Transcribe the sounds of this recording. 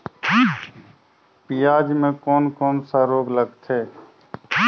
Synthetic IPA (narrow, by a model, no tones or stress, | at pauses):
pijaːd͡ʒmẽːkoːnkɔːnsaɾoːɡləɡt̪ʰeː